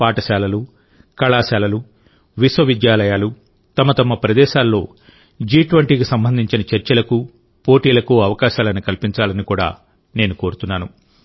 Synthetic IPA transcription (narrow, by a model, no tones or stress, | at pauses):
paːʈɐʃaːlɐlu | kɐɭaːʃaːlɐlu | ʋiswɐʋid̪jaːlɐjaːlu | t̪ɐmɐt̪ɐmɐpɾɐd̪ɛːʃaːlːo̞ː | d͡ʒiːʈʋɐɳʈiːkisɐmbɐnd̪ʱiɲt͡ʃinɐt͡ʃɐɾt͡ʃɐlɐku | po̞ːʈiːlɐkuɐʋɐkaːʃaːlɐnikɐlpiɲt͡ʃaːlɐnikuːɽa̰ː | ne̞ːnuko̞ːɾut̪unːaːnu